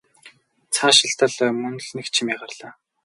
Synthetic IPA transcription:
t͡sʰaːʃɪɬt̪ə̆ɮmɵnɮnekt͡ɕʰimʲiːʁarɮaː

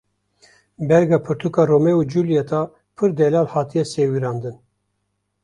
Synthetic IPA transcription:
bɛɾɡɑːpʰɨɾt̪ʰukɑːromɛuːd͡ʒuljɛt̪ʰɑ | pʰɨɾd̪ɛlɑːlhɑːt̪ʰijɛseːwiɾɑːnd̪ɨn

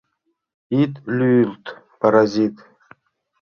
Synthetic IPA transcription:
it̪lʲylt̪ | paɾazʲit̪

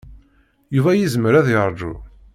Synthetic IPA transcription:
juvæjizməɾæðjəɾˤd͡ʒṵ

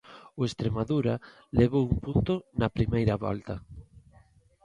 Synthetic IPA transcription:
ʊest̪ɾemaðuɾa | leβowumpunt̪ʊnɐpɾimejɾaβɔ̰lt̪ɐ

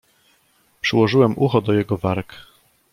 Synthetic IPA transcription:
pʂɘwɔʐɘwɛmʔuxɔd̪ɔjɛɡɔvaɾk

